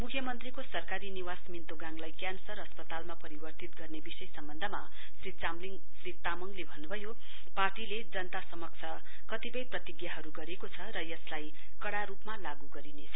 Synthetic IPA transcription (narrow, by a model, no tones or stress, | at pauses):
mukʰjʌmʌnt̪rikosʌrkaɾiniwasmint̪oɡaŋlajkjansʌrʌspʌt̪almapʌɾibʌrt̪it̪ɡʌrnebisʌjsʌmbʌnd̪ʱʌma | srit͡samliŋ | srit̪amʌŋlebʱʌnːubʱʌjo | parʈiled͡zʌnt̪asʌmʌk̚t͡sʰʌ | kʌt̪ipʌjprʌt̪iɡjaɦʌɾuɡʌɾekot͡sʰʌɾʌjʌslaj | kʌɽaɾupmalaɡuɡʌɾinet͡sʰʌ